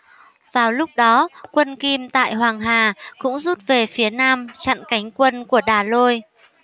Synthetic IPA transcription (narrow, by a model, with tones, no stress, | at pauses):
v̥aː˨˩wlʊ˦˥k͡p̚ɗɔ˨˦kwə˧nki˧mt̪a̰ː˧˨jɦwaː˨˩ŋɦaː˨˩kʊ̰˧˥ŋ͡mzu˦˥t̚ve˨˩fi˨˦ənaː˧mt͡ɕa̰˧˨nka˨˦jŋ̟kwə˧nku˧˩əɗaː˨˩lo˧j